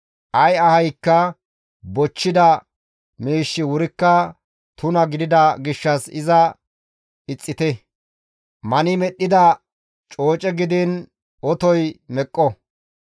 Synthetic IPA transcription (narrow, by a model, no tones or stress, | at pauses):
ʔɐjɐhɐjkːɐ | bɔt͡ʃːɪd̪ɐ | miːʃːɪwʊɾɪkːɐ | t̪ʊnɐɡɪd̪ɪd̪ɐɡɪʃːɐsɪzɐ | ɪt͡sʼːɪt̪ɛ | mɐnɪmɛɗːɪd̪ɐ | t͡ʃʼo̞ːt͡ʃʼɛɡɪd̪ɪn | ɔt̪ɔjmɛkʼːɔ